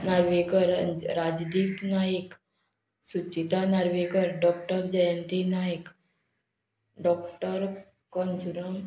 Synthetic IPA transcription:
naɾʋekəɾɾad͡ʑd̪iknajek | sut͡ɕit̪anaɾʋekəɾɖɔk̚ʈəɾd͡ʑəjənt̪inaek | ɖɔkʈəɾ | kɔnd͡ʑuɾəm

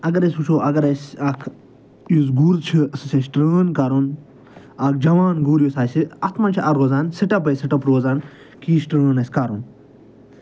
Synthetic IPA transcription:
ɐɡɐɾɐsʲut͡ʃʰoʔɐɡɐɾɐsʲakʰ | jis̬ɡuɾt͡ʃʰisɨsɐsʈɾəːnkaːɾun | ɐːkd͡ʒɐʋaːnɡuːɾjosaːsiɐt̪ʰmɐnt͡ʃʰiʔɐɾoːzaːnsiʈɐp̬ɐsiʈɐpɾoːzaːn | kiːʃʈɾəːnɐsʲkaːɾun

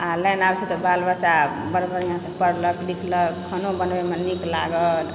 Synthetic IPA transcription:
alɛ̃nabt͡ʃʰet̪ɔbalbat͡ʃa | bəɾbəɾjɦãsə̃pəɽləkɖikʰləkkʰːənobənbemenikla̰ɡəl

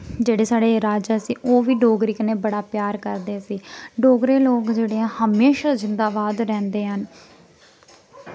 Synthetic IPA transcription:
d͡ʒeːɽeːsaːɽeːɾaːd͡ʒaːsiːʔoːʋiːɖoːɡɾiːkneːbəɽaːpjaːɾkəɾd̪eːsiːɖoːɡɾeːloːkd͡ʒeːɽeːãːhəmeːʃaːzɪnd̪aːʋaːd̪ɾɛ̃ːnd̪eːɦən

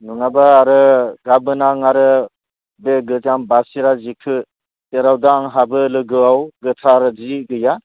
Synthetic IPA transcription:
nuŋabaːɾɯɡabɯnaŋaɾɯ | beɡɯtaŋbasiɾazikʰɯ | teɾawdaŋɦabɯlɯɡɯawɡɯtʰaɾɯziɡɯja

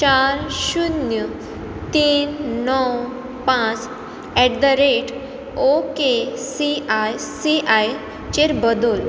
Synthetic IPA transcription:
t͡ɕaɾɕunjə | t̪inːɔw | pãt͡s | ɛʈ̚d̪əɾeʈ | okesiajsiʔaj | t͡ɕeɾbəd̪ol

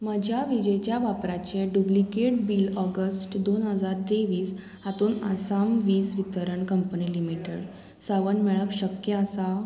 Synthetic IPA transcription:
məd͡ʑʱjaʋid͡ʑət͡ɕjaʋapɾat͡ɕeɖublikeʈbiːlɔɡəsʈd̪onɦəd͡zaɾt̪eʋiːs | hat̪uːna̰samʋiːsʋit̪əɾəɳkəmpənilimiʈḛɽ | səʋənmɛɭəʋɕəkjəːsa

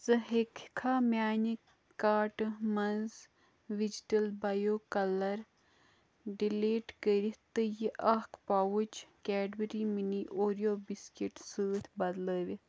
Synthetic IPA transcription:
səɦekʰkʰaːmʲaːnik | kaːʈmɐnz | ʋid͡ʒiʈɐlbɐjoːkɐlɐɾ | ɖileːʈkəɾit̪ɨjiʔɐkʰpawut͡ʃkɛːɖbəɾiːminiʔoːɾijoːbiskiʈsəːt̪ʰbɐd̪ləːʋi

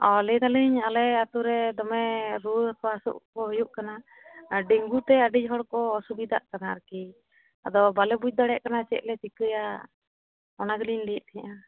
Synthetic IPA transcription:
ɔlɛnaliɲalɛat̪uɾɛd̪ɔmɛɾukɔasṵʔkɔɦɔjuʔkana | ɖiŋɡut̪ɛəɖicɦɔɽkɔːsubid̪a̰ʔkanaɾki | ad̪ɔbalɛbuc̚ˀd̪aɽɛʔkanat͡ʃɛ̰ʔ̚lɛt̪ikəja | ɔnaɡəliɲlɛt̪̚ˀt̪ʰɛɲʔa

